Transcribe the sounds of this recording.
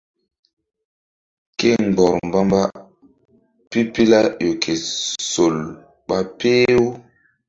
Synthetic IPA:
ke˦ŋɡ͡bɔ˨ɾmba˦mba˦ | pi˦pi˦la˦jo˨kʰe˨so˨l | ɓa˦pe˦o˦

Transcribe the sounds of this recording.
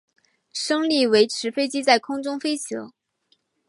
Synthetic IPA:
ʂɤ˥ŋli˥˩we˧˥ɪʈ͡ʂʰɻ̩˧˥fe˥ɪt͡ɕi˥t͡sa˥˩ɪkʰʊ˥ŋʈ͡ʂʊ˥ŋfe˥ɪt͡ɕʰjo̰˧˥ʊ

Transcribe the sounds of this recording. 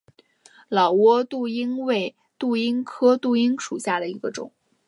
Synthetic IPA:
lɑ˨˩ʊwɔ˥t̪u˥˩i˥ŋwe˥˩ɪ | t̪u˥˩i˥ŋkʰɤ˥t̪u˥˩i˥ŋʂu˨˩ɕja˥˩d̪ə˩i˧˥ɡə˧ʈ͡ʂʊ̰˨˩˦ŋ

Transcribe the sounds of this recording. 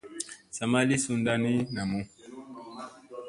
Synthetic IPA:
sa˨ma˦li˦su˦nda˦ni˦na˨mu˦

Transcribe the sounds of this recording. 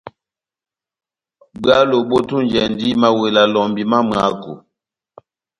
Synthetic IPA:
ba˦lo˨bo˦tu˦nd͡ʒɛ˨ndi˦ma˨we˨la˨lɔ˨mbi˨ma˦m˨a˨˦ko˨

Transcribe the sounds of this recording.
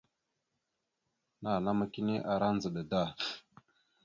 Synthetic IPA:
na˨na˦ma˦ki˦ni˦ʔa˨ɾa˦nd͡zə˨ɗə˨da˦˨

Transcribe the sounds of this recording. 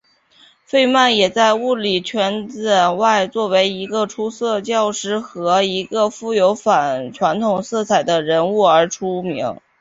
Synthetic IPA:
fe˥˧ɪma˥˩njɛ˨˩t͡sa˥˧ɪu˥˩li˨˩t͡ɕʰɥɛ˧˥nt͡sə˨˩nwa˥˧ɪt͡swɔ˥˩we˧˥ɪi˧˥ɡə˧ʈ͡ʂʰu˥sɤ˥˧t͡ɕjɑ˥˧ʊʂɻ̩˧˥xɤ˧˥i˧˥ɡə˧fu˥˩jo˧˥ʊfa˨˩nʈ͡ʂʰwa˧˥nt̪ʰʊ˨˩ŋsɤ˥˩t͡sʰa˨˩ɪd̪ə˦ɻə˧˥nu˥˩ə˞˧˥ʈ͡ʂʰu˥mḭ˧˥ŋ

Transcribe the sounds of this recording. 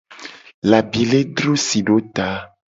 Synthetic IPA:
la˨bi˨le˦d̪ɾu˦si˨ɖo˦t̪a˦

